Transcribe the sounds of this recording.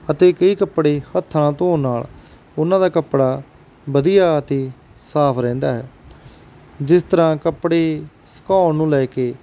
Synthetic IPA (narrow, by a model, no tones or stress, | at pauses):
ət̪eːkəiːkəpːɽeːhət̪ʰːɳãːt̪õːnaːl | ʊnãːd̪aːkəpːɽaː | bəd̪ijaːət̪eː | saːpʰɾɛ̃ːnd̪a̰ːɦɛː | d͡ʒɪst̪əɾãːkəpɽeː | sə̥kaːnnũːlɛːkeː